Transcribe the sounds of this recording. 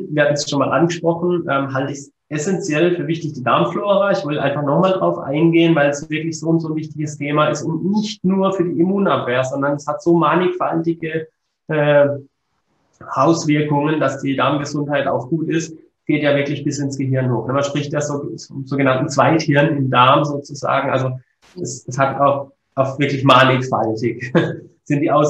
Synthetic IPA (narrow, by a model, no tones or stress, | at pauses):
vɪːɐhaːtmn̩ɛsʃoːnmaːlʔa̰nɡəʃpʁ̥ɔχn̩ʔɛːmɦaltəɪçs | ʔɛsɛnt͡sjɛlfyːɐvɪçtɪçd̥iːdaɐmfloːʁɐɪçv̥ɔltʔa̰ɪnfaχnɔχmaːldʁaʊfʔa̰ɪnɡeːənvaɪlɛsv̥ɪɐklɪçz̥oːʊntz̥oːnvɪçtɪçəstʰeːmaɪstʊntnɪçtnuːɐfyːɐdiːimuːnapv̥eːɐzɔndɐnɛshatz̥oːmanɪkfaltɪɡə | ʔɛː | ʔaʊsv̥ɪɐkʊŋənd̥asd̥iːdaɐmɡəzʊnthaɪta̰ʊxɡ̥uːtɪst | ɡ̥eːtjaːvɪɐklɪçb̥ɪsɪnsɡ̥əɦɪɐnhoːxnəmanʃpɪçtjaːzoːfɔmzoːɡənantn̩t͡sv̥aɪthɪɐnɪmdaɐmzoːt͡suza̰ːɡŋ̩ʔalzo | ɛsɛshataʊx | ʔaʊxv̥ɪɐklɪçmaːnɪkfa̰ltɪç | z̥ɪntd̥iːʔaʊs